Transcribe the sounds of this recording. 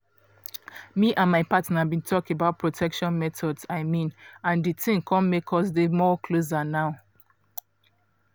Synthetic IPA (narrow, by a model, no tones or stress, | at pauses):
miʔãnmaɪpatnabĩntʰɔkebaʊt̚pʰɹotʰɛkʃɔ̃nmɛtʰɔdsaɪmĩnãnditʰĩŋkʰɔ̃nmekʰɔs̬demɔkʰlos̬anaʊ